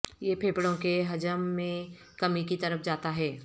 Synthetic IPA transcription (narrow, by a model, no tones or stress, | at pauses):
jeːpʰeːpɽõkeɦɐd͡ʒəmːẽ | kɐmikit̪ɐɾəfʰd͡ʒaːt̪aɦɛː